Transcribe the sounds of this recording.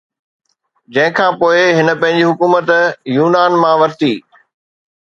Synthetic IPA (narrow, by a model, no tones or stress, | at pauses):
d͡ʑɐ̃ɦɪ̃kʰãːpoːɪɦɪnə̆pɐ̃ɦɪ̃ɲ̆d͡ʑiɦʊkuːmət̪juːnaːnmãʋɐɾt̪iː